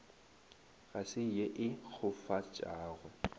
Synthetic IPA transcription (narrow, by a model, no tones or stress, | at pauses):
ɣasɪjeʔɪk͡xʰʊfat͡ʃʼaːɣʊ